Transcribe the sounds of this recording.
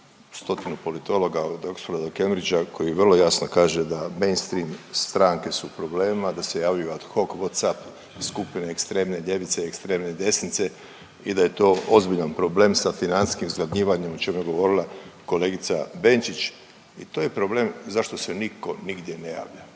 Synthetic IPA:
st̪o̞t̪inupo̞lit̪o̞lˠo̞ɡad̪okst̪oɾad̪oke̞mɾid͡ʒakʰo̞jiʋr̩lo̞jasno̞kaːʒe̞d̪ame̞jnst̪ɾimst̪ɾaːŋke̞supɾo̞ble̞ːmad̪ase̞jaːʋjujuat̪xo̞kʋot̪sap | skupineekst̪ɾe̞ːmne̞ʎe̞ʋit̪seekst̪ɾe̞ːmne̞d̪e̞snit̪se̞ | id̪aje̞t̪o̞ːozbiʎanpɾo̞ble̞msafinansskimzɡlad̪ɲiːʋaɲe̞mot͡ʃemujeɡo̞ʋo̞ɾilako̞le̞ːɡit̪sabe̞nt͡ʃit͡ʃ | it̪oːje̞pɾo̞ble̞ːmzaʃt̪o̞se̞niko̞niɡd̪je̞ne̞ja̰ːʋʎa

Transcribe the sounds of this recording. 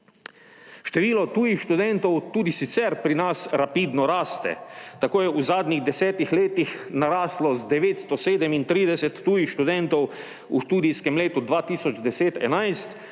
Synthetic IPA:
ʃt̪ɛʋiːlɔt̪uːjixʃt̪ud̪ɛnt̪ɔwt̪uːd̪isit̪sɛɾpɾinasɾapiːd̪nɔɾaːst̪ɛ̰t̪akoːjɛuzaːd̪nʲiɣd̪ɛsɛːt̪ixleːt̪ixnaɾaːslɔzd̪ɛʋeːt̪st̪ɔseːd̪ɛmint̪ɾiːd̪ɛsɛt̪ːuːjixʃt̪ud̪ɛnt̪ɔw | ṵʃt̪uːd̪ijskɛmleːt̪ud̪ʋaːt̪iːsɔd͡ʒd̪ɛseːt̪ɛ̰najst̪

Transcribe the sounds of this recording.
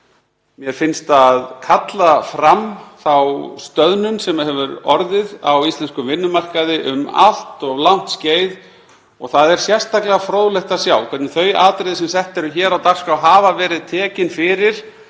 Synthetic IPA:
mjɛɾ̥fɪnst̪aðkʰat̪lafɾamθawst̪œðnʏnsɛmahɛvʏɾɔɾðɪðawist̪lɛnskʏvɪnːʏmar̥kaðɪʔʏma̰l̥t̪ɔɣlawn̥t̪sceːjð | ɔ̰ɣθaðɛɾ̥sjɛrst̪aklɛɣafɾoːwðlɛxt̪asjaːwkʰvɛt̪nɪθœɥjaːt̪ɾejðɪsɛmsɛht̪ɛɾʏçɛːɾawt̪ar̥skawɦaːvavɛːɾɪðt̪ʰɛːcɪnfɪɾɪɾ̥

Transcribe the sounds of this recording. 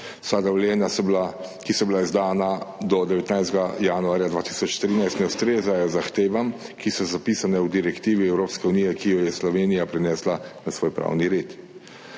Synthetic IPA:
sad̪awlɛːnjasɔblakisɔbilaizd̪aːnad̪ɔd̪ɛʋɛt̪najst̪ɡajanuaːɾjad̪ʋaːt̪i̥sɔt͡ʃt̪ɾiːnajst̪nɛust̪ɾeːzajɔzaxt̪eːʋamkisɔzapiːsanɛwd̪iɾɛkt̪iːʋiɛwɾoːpskɛunijɛkijɔjɛslɔʋeːnijapɾɛnɛːslanasʋoːjpɾa̰ːwniɾeːt̪

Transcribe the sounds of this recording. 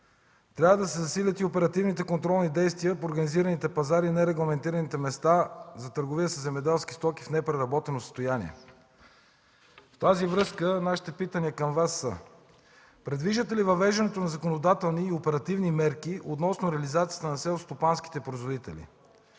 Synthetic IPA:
t̪ɾʲavəd̪ɐsɛzɐsilʲət̪iopɛɾɐt̪ivnit̪ɛkont̪ɾɔlˠnid̪ɛjst̪vijəpoːɾɡɐniziɾɐnit̪ɛpɐzaɾinɛɾɛɡlˠɐmɛnt̪iɾɐnit̪ɛmɛst̪azɐt̪əɾɡovijəsəzɛmɛd̪ɛlˠski̥st̪ɔkifnɛpɾɛɾɐbɔt̪ɛnosəst̪ojanḭɛ̰ | ft̪azivɾɤskənaʃi̥t̪ɛpit̪əniəkɐmvasːə̰ | pɾɛd̪viʒd̪ət̪ɛlivɐvɛʒɐnɛt̪onɐzɐkonod̪at̪ɛlˠniːopɛɾɐt̪ivnimɛɾkiʔot̪nɔsnoɾɛɐlizat̪sijə̥t̪ənɐsɛlˠst̪opansk̟i̥t̪ɛpɾoizvod̪it̪ɛlḭ

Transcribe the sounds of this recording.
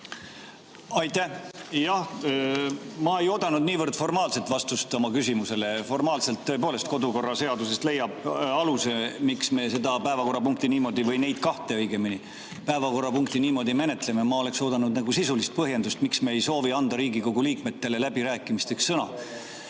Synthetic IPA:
ɑjt̪æhjɑh | mɑejo̞ːd̪ɑnud̪niːvɤrd̪̥fo̞rmɑːlse̞lt̪vɑst̪ust̪o̞mɑkysimuse̞le̞fo̞rmɑːlse̞lt̪ːøpoːle̞st̪ko̞d̪uko̞rːɑse̞ɑd̪use̞st̪le̞jːɑb̥ɑluse̞miksme̞se̞d̪ɑpæevɑko̞rːɑpuŋk̚t̪iniːmo̞d̪ivɤjne̞jd̪̥kɑht̪e̞ɤjɡ̥e̞mini | pæevɑko̞rːɑpuŋk̚t̪iniːmo̞d̪ime̞ne̞t̪ˑlememɑole̞kso̞ːd̪ɑnud̪næɡ̥usisulist̪̚pɤɦje̞nd̪ust̪miksmeejso̞ːviɑnd̪ɑɾiːɡiko̞ɡuliːk̚me̞t̪ːe̞le̞læbiɾæːkːˑimist̪eksːɤnɑ̰

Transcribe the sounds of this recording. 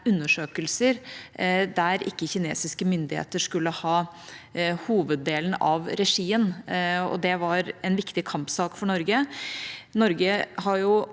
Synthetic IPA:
ʉnːəʂøːkəlsəɾ | d̪æɾɪkːəçɪnḛːsɪskəmʏnd̪ɪhḛːt̪əʂkʉlːəhɑː | huːʋəd̪ːeːlən̩ɑʋɾɛʂiːənɔ̰d̪ɛʋɑɾɛnʋɪkt̪ɪkʰɑmpsɑːkfɔɳɔɾɡə | nɔɾɡəhɑɾjʊ

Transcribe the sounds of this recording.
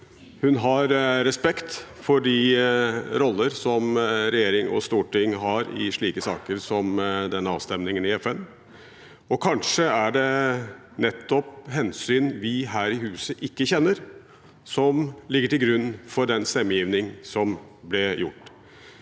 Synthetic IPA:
hʉnɦɑɾɾɛspɛkt̪fɔɖɪ | ɾɔlːəɾsɔmɾɛjeːɾɪŋɔ̰st̪uːʈɪŋːɦɑɾɪ̰ʂɭiːkəsɑ̰ːkəɾsɔmd̪ɛnːəɑ̰ːʋst̪ɛmnɪŋənɪɛfɛn | ɔkʰɑnʂəæɖɛ | nɛt̪ːɔpɦɛnsyːnʋɪɦæːɾɪhʉːsəʔɪkːəçɛnːəɾ | sɔmlɪɡːəʈɪlɡɾʉnːfɔɖɛnst̪ɛmːəjiːʋnɪŋsɔm | blɪjʊ̰ʈː

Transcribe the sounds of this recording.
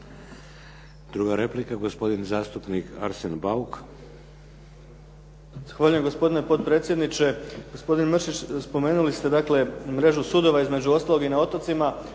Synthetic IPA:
d̪ɾuɡaɾe̞plikaɡospo̞d̪inzaːst̪upnika̰ɾsenbauk | z̥axʋaːʎujemɡo̞spo̞d̪ine̞po̞d̪̚pɾe̞t̪sjed̪nit͡ʃe̞ɡo̞spo̞d̪inmrʃit͡ɕspo̞me̞ːnulist̪e̞d̪akle̞mɾe̞ʒusuːd̪o̞ʋaizme̞d͡ʑuo̞st̪alo̞ɡinao̞t̪ot̪sima

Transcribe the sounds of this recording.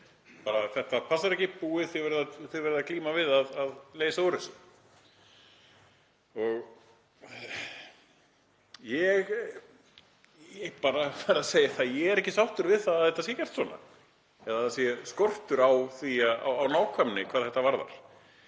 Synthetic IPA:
paːɾaθɛht̪apʰasaɾɛhcɪpuːɪθɛvɛɾðaθeɣvɛɾɪðakliːmavɪðaðaðleːjsaowɾʏs | ɔɣ | jɛɣ | epaːɾafaːɾaseːjaθaðjɛɣɛɾɛhcɪsawht̪ʏɾvɪðθaðaðθɛht̪ːasjɛcɛr̥t̪swɔːna̰ | ɛðaaðsjɛskɔr̥t̪ʏɾawθiaa̰wawnaːwkʰvœmnɪkʰvaːðθɛht̪avaɾða̰ɾ̥

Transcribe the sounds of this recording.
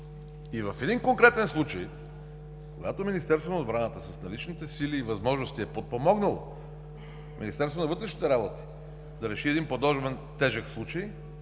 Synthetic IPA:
ivɐfɛd̪inkoŋkɾɛt̪ɛnslˠut͡ʃəj | koɡat̪ominist̪ɛɾst̪vonod̪bɾanət̪əsɐsnɐlit͡ʃnit̪ɛsiliːvɐzmɔʒnoʊst̪iɛpot̪̚pomɔɡnəlˠo̰ | mʲʔḭnist̪ɛɾsoonɐvɤt̪ɾɛʃnit̪ɛɾabot̪i̥ | d̪ɐɾɛʃiɛd̪inpod̪ɔʒbɛnt̪ɛʒəkslˠut͡ʃəj

